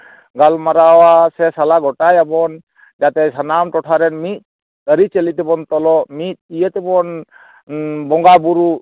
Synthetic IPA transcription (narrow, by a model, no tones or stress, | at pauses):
ɡalmaɾawasɛsalaɡɔʈajabɔn | d͡ʒat̪ɛsanamʈɔʈʰaɾɛnmit̪̚ | əɾit͡ʃəlit̪ɛbɔnt̪ɔlɔʔmit̪̚ˀijət̪ɛbɔn | bɔŋɡabuɾu